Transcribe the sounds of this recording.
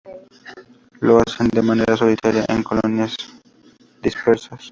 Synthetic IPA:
loasend̪emaneɾasolit̪ʰaɾiaʔɛ̰̃nkolonias | d̪ispeɾsas

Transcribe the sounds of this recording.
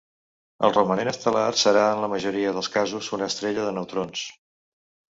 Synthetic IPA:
ə̰lˠrəmənenəst̪əlarsəɾaənləməʒuɾiəðəlˠskazuzunəːst̪ɾeʎəðənəwt̪ɾons

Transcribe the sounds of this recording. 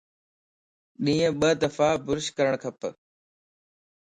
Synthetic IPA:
ɗĩːə̃ɓəd̪əfaːbʊɾʃkəɾəɳ̃kʰəp

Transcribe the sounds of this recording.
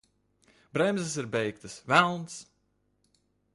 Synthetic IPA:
bɾɛmzɨs̬iɾbɛjk̚t̪ɨsvælˠns

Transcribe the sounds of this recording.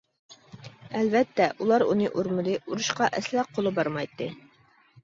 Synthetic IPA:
ælvæt̪ːæʔulˠɑɾṵnɤʔuɾmɤ̆d̪iʔuɾɤ̆ɕqɑʔæslæqːulˠɤbɑɾmɑjt̪ːɤ

